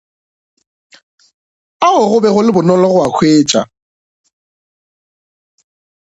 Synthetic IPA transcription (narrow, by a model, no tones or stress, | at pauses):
aʊɣʊbɛɣʊlɪbʊnɔlɔɣʊwakʰweːt͡ʃʼa̰